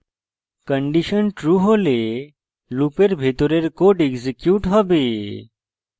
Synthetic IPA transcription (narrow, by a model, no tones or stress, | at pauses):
kəɳɖiɕənʈɾuɦole | lupeɾbʱet̪oɾeɾkoɖeɡzikjuːʈɦəbe